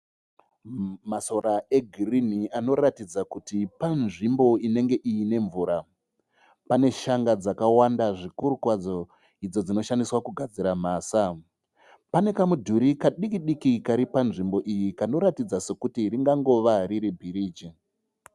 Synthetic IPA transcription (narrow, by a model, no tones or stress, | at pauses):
maso̞ɾae̞ɡʱiriniano̞ratid͡zakutipanʐimbo̞ine̞ŋɡe̞ʔijine̞ɱvuːɾa | pane̞ʃaŋɡad͡zakawandaʐikuɾukwad͡zo̞ | id͡zo̞d͡zino̞ʃandiswakuɡʱad͡ziɾam̤aːsa | pane̞kamudʱuɾikaɗikiɗikikaɾipanʐimbo̞ʔijikano̞ɾatid͡zase̞kutiriŋɡaŋɡo̞ʋariɾibʱiɾiːd͡ʒi